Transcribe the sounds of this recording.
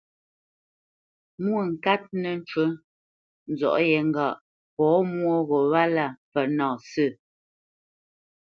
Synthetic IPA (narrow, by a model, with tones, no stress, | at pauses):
mwo˦˨ŋ̩˨ka˦t̚nə˨n̩˦t͡ʃwə˦ | n̩˨zɔ̰˨ʔjɛ˨˦ŋ̩˦ɡa˦˨ʔ | pɔː˨˦mwo˦ɣɔ˨wa˦la˦˨pɛ˨nɔ̃ː˨sə˦˨